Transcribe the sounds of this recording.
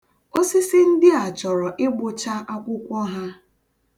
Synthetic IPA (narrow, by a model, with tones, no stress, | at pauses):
o˦sɪ˦sɪ˦n̩˦dɪ˦a˨t͡ʃɔ˨ɾɔ˨ʔɪ˦ɡ͡bʊ˨t͡ʃa˦ʔa˦kʷʊ˦kʷɔ˦ɦa˦